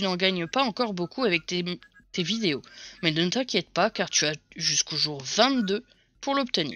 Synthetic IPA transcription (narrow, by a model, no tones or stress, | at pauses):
t̪ynɑ̃ɡaɲəpaɑ̃kɔʁbokʰuavɛk̚t̪e | t̪evid̪eomɛnənət̪ɛ̃kʲjɛt̪̚pakaʁt̪yaʒyskoʒuʁvɛ̃t̪d̪ø | puʁlɔpt̪ənḭː